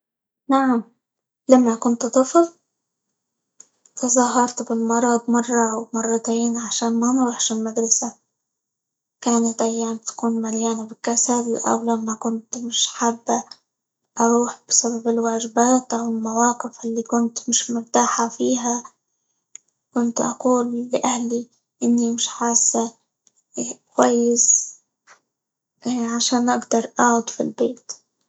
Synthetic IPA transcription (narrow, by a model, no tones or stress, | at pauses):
naʕam | lamːakʊnt̪d̪ˤɨfl | t̪ɑzˤɑːɦɑɾˤt̪bɪlmɑɾˤɑd̪ˤmɑrˤːɑwmɑrˤːɑt̪eːnʕaʃaːnmanɾuːħʃɪlmad̪ɾˤɑsa | kaːnat̪ʔajːaːmt̪ḁkuːnmaljaːnabɪkːasalʔa̰wlamːakʊnt̪mɪʃħabː | ʔɑɾˤuːħb̥ɪsababɪlwaːʒɪbaːt̪ʔawɪlmawɑːqɪfʔɪlːikʊnt̪mɪʃmʊɾt̪aːħafiːɦa | kʊnt̪ʔɑ̰quːlːɪʔahli | ʔɪnːimɪʃħaːsa | kwajːɪs | ʕaʃaːnʔaɡd̪ɑɾˤʔaʕʊd̪ˤfḭlbeːt̪